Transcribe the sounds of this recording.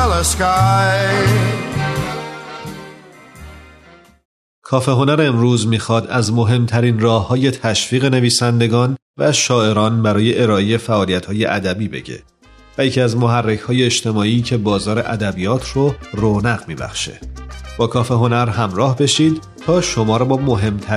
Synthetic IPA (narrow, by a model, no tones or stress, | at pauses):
leskaj | kʰɒːfe̞ɦo̞næɾemɾuːzmiːxɒːd̪æzmo̞ɦe̞mt̪ʰæɾiːnrɒːhːɒːje̞t̪ʰæʃfiːɣe̞ne̞viːsænd̪e̞ɡɒːnvæʃɒːe̞ɾɒːnbæɾɒːje̞ʔeɾɒːejefæʔɒːlijæt̪hɒːje̞̰ʔæd̪æbiːbe̞̰ɟḛ | væjecʰiæzmo̞ɦærːecʰhɒːje̞ːt͡ʃt̪ʰe̞mɒːiːcʰe̞bɒːzɒːɾe̞ʔæd̪æbijɒːt̪ʰroronæɣmiːbæ̰xʃe̞̰b̥ɒːkʰɒːfe̞ɦo̞næɾɦæmɾɒːhbe̞ʃiːd̪̚ | t̪ʰɒːʃo̞mɒːɾbɒːmo̞ɦe̞mt̪ʰæ